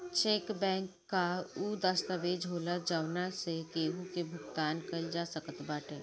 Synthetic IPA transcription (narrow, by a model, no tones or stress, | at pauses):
t͡ʃeːkbɛ̃ːŋkːauːd̪əst̪əʋeːd͡ʒɦoːlad͡ʒawnasekeːɦukebʱʊkt̪aːnkəid͡ʒasəkət̪baːʈeː